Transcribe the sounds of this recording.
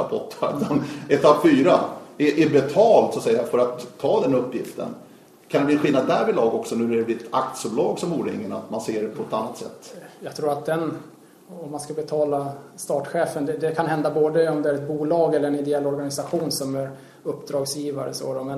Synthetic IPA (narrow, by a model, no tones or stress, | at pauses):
ɾapʰɔt̪ʰːad̪anɛt̪ʰapːfyːɾaɛʔɛɾbɛt̪ʰɑːlt̪sɔsɛjːafœɾat̪ʰːɑːd̪ɛnɵpːjɪft̪ə̰n | kʰand̪ɛbliɛnɧɪlad̪ːæɾvɪlɑːɡɔksɔnʉ̟ːɾæɾɛblɪɛt̪ʰa̰k̚t̪sɵplɑːɡsɔmuːɾɪ̰ŋːəna̰t̪manseːɖɛpʰɔɛt̪anːat̪sɛ̰t̪ːjɑːɡ̚t̪ʰɾuːɾat̪̚d̪ɛn | ɔmːanskabɛt̪ʰɑːlast̪ɑːʈɧeːfənd̪ɛd̪ɛkʰanɦɛnd̪aboːd̪əɔmd̪ɛæɾɛt̪̚buːlɑːɡɛlːəɾɛnɪd̪ɛɛlːɔɾɡanɪsaɧuːnsɔmæɾ | ɵpːd̪ɾɑːɡsjiːvaɾə̰so̰ːd̪ɔmɛn